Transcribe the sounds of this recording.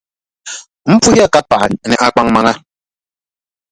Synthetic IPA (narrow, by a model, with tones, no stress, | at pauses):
m̩˦pu˦i˦a˦˨ka˦pa˨n˨nɛ˨ʔa˨k͡pa˦ŋma˨ŋa˦